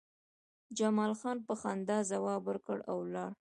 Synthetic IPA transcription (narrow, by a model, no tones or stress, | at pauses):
d͡ʒamɑlxɑnpəxɑnd̪ɑzawɑbəɾkəɽawlɑɽ